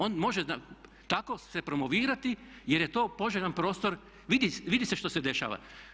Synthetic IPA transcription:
o̞ːnmo̞ʒea | t̪ako̞sepɾomoʋiːɾat̪ijeɾjet̪o̞ːpo̞ʒeʎʲanpɾo̞ːst̪o̞ɾ | ʋid̪iʋid̪iseʃt̪ose̞d̪e̞ʃa̰ːʋa̰

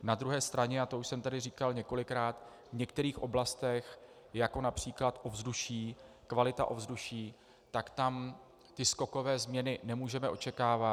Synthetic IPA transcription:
nad̪ɾuɦɛːst̪ɾaɲɛat̪ouʃsɛmt̪adɪriːkalɲɛko̞lɪkɾaːt̪ | vɲɛk̚t̪ɛɾiːxʔo̞blast̪ɛx | jako̞napr̝̥iːklat̪ʔo̞vzduʃiː | kvalɪt̪a̰ʔo̞vzduʃiː | t̪akt̪am | t̪ɪsko̞ko̞vɛːzmɲɛnɪnɛmuːʒɛmɛʔo̞̰t͡ʃɛkaːva

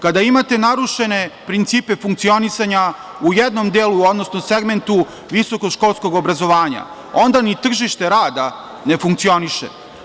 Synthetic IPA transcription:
kad̪aimat̪e̞naɾuʃe̞ne̞pɾint̪siːpe̞fuŋk̚t̪sio̞nisaɲa | ujed̪no̞md̪eːluo̞d̪no̞snose̞ɡment̪u | ʋiso̞ko̞ʃko̞lˠsko̞ɡo̞bɾazo̞ʋaːɲa̰ | o̞nd̪anit̪r̩ʒiʃt̪e̞ɾaːd̪a | ne̞fuŋkt̪sio̞niʃḛ

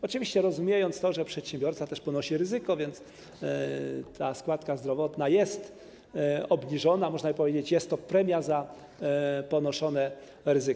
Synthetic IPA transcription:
ɔt͡ʂɨvʲiɕt͡ɕɛɾɔzumʲjejɔnt̪st̪ɔʐɛpʂɛt̪ɕɛmbʲjɔɾt̪sat̪ɛʂpɔnɔɕiɾɘzɘkɔvʲjɛnt̪s | t̪ʰaskwat̪kazd̪ɾɔvɔt̪najɛst̪ | ɔbɲiʐɔnamɔʐnabɘpɔvʲjed͡ʑet͡ɕjɛst̪ːɔpɾɛmʲjaza | pɔnɔʂɔnɛ | ɾɘzɘ

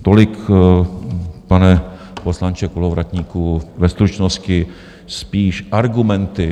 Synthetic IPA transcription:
t̪olɪk | panɛ | poslant͡ʃɛkolovɾat̪ɲiːkuvɛst̪ɾut͡ʃnoscɪ | spiːʃʔaɾɡumɛnt̪ɪ

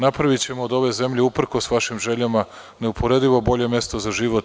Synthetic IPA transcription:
napɾaʋit͡ɕe̞moːd̪o̞ʋe̞ze̞mʎeupr̩ko̞sʋaʃimʒe̞ʎama | ne̞upʰo̞ɾe̞d̪iʋo̞bo̞ʎe̞mje̞st̪o̞zaʒiʋot̪

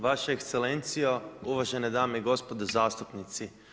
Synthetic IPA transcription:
ʋaʃeekst̪sele̞nt̪sijouʋaʒened̪aːmeiɡo̞spo̞d̪ozaːst̪upnit̪si

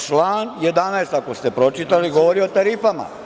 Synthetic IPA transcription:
t͡ʃlˠaːnjed̪anaest̪akost̪epɾo̞t͡ʃit̪aliɡoʋoɾiot̪aɾifama̰

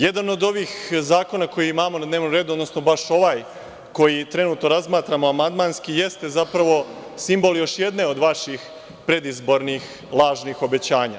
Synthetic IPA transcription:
je̞d̪ano̞d̪o̞ʋiːxzaːko̞nako̞jimaːmo̞nad̪ne̞ːʋnomɾeːd̪uo̞d̪no̞sno̞baʃo̞ʋaːj | ko̞jit̪ɾe̞nuːt̪noɾazmaːt̪ɾamo̞amand̪manskije̞st̪e̞zapɾaʋo̞ | simbo̞ljo̞ʃje̞d̪ne̞o̞d̪ʋaʃix | pɾe̞d̪izbo̞ɾnix | lˠaːʒnixo̞be̞t͡ɕaːɲa̰

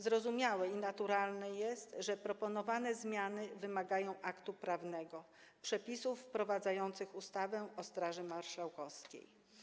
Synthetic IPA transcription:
zɾɔzumʲjawɛinat̪uɾalnɛjɛst̪ʐɛpɾɔpɔnɔvanɛzmʲjanɘvɘmaɡajɔ̃w̃ʔakt̪upɾavnɛɡɔ | pʂɛpʲisufːpɾɔvad̪zajɔnt̪sɘxust̪avɛɔst̪ɾaʐɘmaɾʂawkɔfskʲḛj

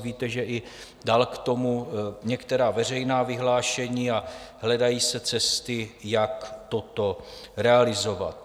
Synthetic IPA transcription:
viːt̪ɛʒɛʔɪ | daːlkt̪o̞muɲɛkt̪ɛɾaːvɛr̝ɛjnaːvɪɦlaːʃɛɲiːaɦlɛdajiːsɛt͡sɛst̪ɪjakt̪ot̪o̞ɾɛalɪzova̰t̪̚

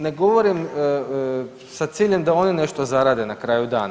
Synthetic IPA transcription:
ne̞ɡo̞ʋo̞ɾim | sat̪siːʎe̞md̪ao̞nine̞ʃt̪ozaɾaːd̪e̞nakɾaːjud̪a̰ːna

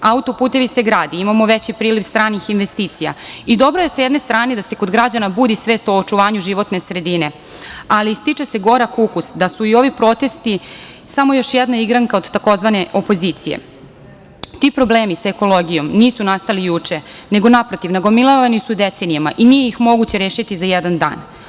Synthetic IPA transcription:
aut̪o̞puːt̪e̞ʋise̞ɡɾaːd̪iimamo̞ʋet͡ɕipɾiːliʋst̪ɾaːnixinʋest̪iːt̪sija̰id̪o̞bɾo̞je̞sajed̪ne̞st̪ɾaːned̪ase̞ko̞d̪ɡɾad͡ʑanabuːd̪isʋe̞ːst̪oːt͡ʃuʋaːɲuʒiʋo̞t̪ne̞sɾe̞d̪ine̞ | alist̪it͡ʃeseɡo̞ɾakukusd̪asuio̞ʋipɾo̞t̪e̞st̪isamo̞jo̞ʃjɛd̪naiɡɾaŋkao̞d̪t̪ːako̞zʋaneʔo̞po̞zit̪sije̞̰ | t̪ipɾo̞ble̞ːmisae̞ko̞lo̞ɡijo̞mniːsunast̪alijut͡ʂene̞ɡo̞napɾot̪iʋnaɡo̞milˠoʋanisud̪et̪senijamaʔinije̞jixmo̞ɡut͡ɕeɾeːʃit̪izajɛd̪and̪a̰ːn

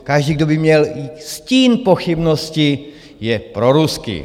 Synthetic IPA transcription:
kaʒdiːɡdobɪmɲɛlisciːnpoxibnosci | jɛpɾoɾuskḭ

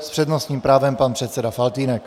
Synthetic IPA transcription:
spr̥ɛdnosɲiːmpɾaːvɛmpanpr̥ɛt̪sɛdafalt̪iːnɛk

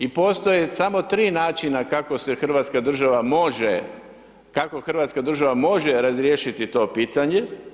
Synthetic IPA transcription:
ipoːst̪ojesamo̞t̪ɾiːnaːt͡ʃinakako̞sexr̩ʋaːt̪skad̪r̩ʒaʋamoʒe | kako̞xrʋaːt̪skad̪r̩ʒaʋamo̞ʒeɾazɾjeːʃit̪it̪o̞ːpiːt̪aɲe̞

